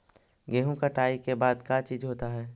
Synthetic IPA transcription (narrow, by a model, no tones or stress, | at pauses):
ɡeːɦũkaʈaːikebaːd̪kaːt͡ʃiːd͡ʒɦoːt̪aɦɛː